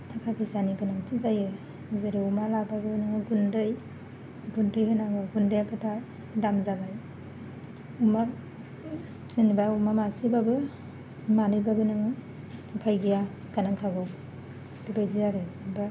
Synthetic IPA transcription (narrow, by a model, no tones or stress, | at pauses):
tʰakʰapʰisaniɡɯnaŋtizajɯ | zaɾiumalababɯnɯŋɯɡundɯj | ɡundɯjhɯnaɡɯɡundɯjapʰatʰa | damzabaj | uma | sinbaumamasibabɯ | manɯjbabɯnɯŋɯ | tɯpʰajɡija | ɡanaŋkʰaɡɔ | d̥ibajdiaɾɯdba